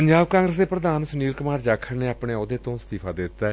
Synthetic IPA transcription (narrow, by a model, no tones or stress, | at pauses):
pəɲd͡ʒaːbkãːŋɡɾəsd̪eːpɾəd̪aːnsʊniːlkʊmaːɾd͡ʒaːkʰəɽneːapɳeːod̪eːt̪õːst̪iːpʰaːd̪ɪd̪ɪt̪ːaɛː